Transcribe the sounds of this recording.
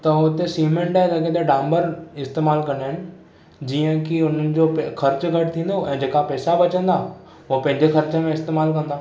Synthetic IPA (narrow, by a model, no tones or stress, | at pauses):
t̪ɐʊt̪esiːmẽɳʈaːd͡ʒɐɡẽt̪eɖãːmbəɾɪst̪eːmaːlkɐ̃naɦɪnɪ̆ | d͡ʑiːə̃kiʊn̤ənɪ̆d͡ʑoxʰɐɾt͡ɕɡʱɐʈ̚ʰt̪ʰĩːnd̪oɛ̃ːd͡ʑeːkapɛːsabɐt͡ɕə̃nd̪aː | ɦpɐ̃ɦɪ̃ɲd͡ʑexɐɾt͡ɕəmẽɪst̪eːmaːlkɐ̃nd̪aː